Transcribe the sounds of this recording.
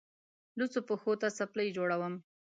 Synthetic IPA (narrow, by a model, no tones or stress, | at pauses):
lut͡sopəxot̪asapləjd͡ʒoɽawəm